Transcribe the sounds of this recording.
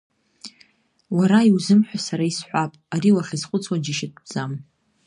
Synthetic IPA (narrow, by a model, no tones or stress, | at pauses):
waɾaiwzɨmħᶣʷasaɾaisħʷapʼaɾiwaχʲizχʷʊt͡sʰwad͡ʒiʃɪt̚ʰʼbd͡zam